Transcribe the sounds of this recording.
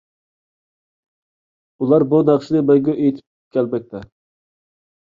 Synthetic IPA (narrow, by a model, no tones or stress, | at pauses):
ulˠɑɾbunɑχʃɪnɪmɛlɡʲyʔejt̪ʰɪ̥p̚ | kʲʰælmɛk̚ʲt̪ʰɛ